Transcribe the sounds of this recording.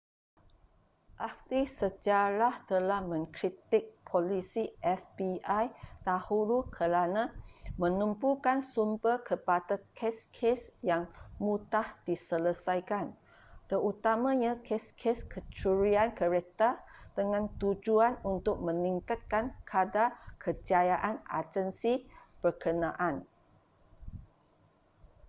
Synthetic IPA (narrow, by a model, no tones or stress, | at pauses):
ʔakt̪isəd͡ʒaɾaht̪əlahmə̃ŋkɾit̪ɪk̚pʰolisiʔɛfbiajt̪ahuɾukʰəɾanãmə̃numpukansumbərkəpadakʰeskʰesjaŋmũt̪ahd̥isələsajkan | t̪əɾut̪amãɲãkʰeskʰeskʰət͡ʃuɾiankəɾɛk̚t̪əd̥əŋãnt̪ud͡ʒuanunt̪ʊk̚mə̃niŋkat̪̚kankʰadakʰəd͡ʒajaʔana̰d͡ʒənsib̥ərkənãʔan